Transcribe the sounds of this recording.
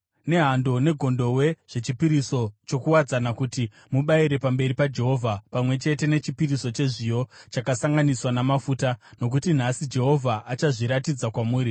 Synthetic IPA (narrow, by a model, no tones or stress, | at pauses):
ne̞ɦando̞ne̞ɡʱo̞ndo̞we̞ʐ̥e̞t͡ʃipiɾiso̞t͡ʃo̞kuwad͡zanakuti | muɓaiɾe̞pambe̞ɾipad͡ʒe̞ɦo̞vʱapamwe̞t͡ʃe̞te̞ne̞t͡ʃipiriso̞t͡ʃe̞ʐijo̞t͡ʃakasaŋɡaniswanamafuːtano̞k̬utin̤asid͡ʒe̞ɦo̞vʱaʔːt͡ʃaʐiɾatid͡zakwamuːɾi